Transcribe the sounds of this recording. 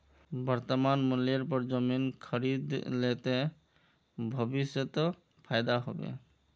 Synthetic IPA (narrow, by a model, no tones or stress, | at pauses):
bɔɾt̪ɔmanmuleɾpɔɾd͡ʒominkʰʌɾid̪let̪e | bʱɔbisjɔt̪ɔ | pʰajd̪aɦɔ̰bḛ